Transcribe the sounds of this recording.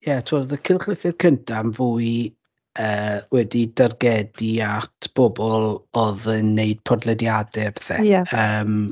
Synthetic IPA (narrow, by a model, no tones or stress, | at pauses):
jɛtʰmɔdəkʰɪlˠχrɪθɪrkʰəntʰamvuːɨ | əːwɛdidarɡɛdiatʰb̥ɔbɔlˠɔðənːeɨd̥̚pʰɔdlˠɛdjadɛb̥ɛ̥θɛ̰jaəːm